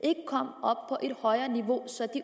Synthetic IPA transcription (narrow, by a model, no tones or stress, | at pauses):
ʔe̝ɡ̥əkʰɒm̰ɒ̽b̥̚pʰɒ̽ʔe̝d̥hɒ̽ɪɐːniʋo̝sɒd̥i